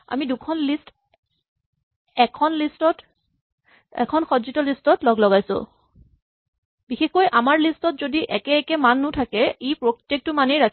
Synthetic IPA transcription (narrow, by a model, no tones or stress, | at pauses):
a̰midukʰɔnlist | ɛkʰɔnlistɔt | ɛ̰kʰɔnxɔzitɔlistɔtlɔɡlɔɡajsʊ̰̃ | bixexkojʔamaɹlistɔtzodiʔɛkɛɛkɛmanːʊtʰakɛejpɹoktek̚tʊmanejɹakʰ